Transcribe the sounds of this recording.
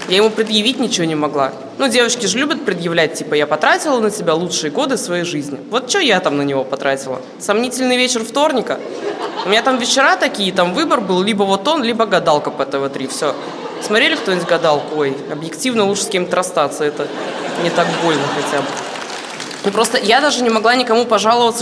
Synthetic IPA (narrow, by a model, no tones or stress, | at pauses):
jajɪmupɾʲɪd̪jɪvʲit̚ʲnʲɪt͡ɕɪvʲonʲɪmɐɡlˠa | nudʲe̞vət͡ɕkʲɪʐlʲubʲət̪̚pɾʲɪd̪jɪvlʲæt̚ʲtʲipəjapɐt̪ɾatʲɪlˠənətʲɪbʲalˠut͡ʂʂɨjəɡo̞d̪ɨfsvɐjejʐɨzʲnʲɪvo̞t̪̚t͡ɕɪojat̪amnənʲɪvo̞pɐt̪ɾatʲɪlˠə̰ | sɐmnʲitʲɪlʲnɨjvʲet͡ɕɪrft̪o̞rnʲɪkə | ʊmʲɪnʲat̪amvʲɪt͡ɕːɪɾat̪ɐkʲijət̪amvɨbərbɨlˠlʲibəvo̞t̪o̞nlʲibəɡɐd̪alˠkəpɛt̪əvɐt̪ɾʲifsʲo | smɐt̪ɾʲelʲɪkt̪onʲɪtʲɡɐd̪alˠkojɐbjɪktʲivnəlˠuʂsʲkʲemʲt̪ʲɾɐst̪at̪səɛt̪ə | nʲɪt̪akbo̞lʲnəxɐtʲabɨ | upɾo̞st̪əjad̪aʐɨnʲɪmɐɡlˠanʲɪkɐmupɐʐalˠəvət̪sə